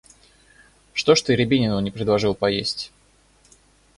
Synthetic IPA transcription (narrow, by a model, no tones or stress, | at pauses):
ʂt̪oʂt̪ɨɾʲɪbʲinʲɪnəvnʲɪpɾʲɪd̪lˠɐʐɨlˠpɐjesʲtʲ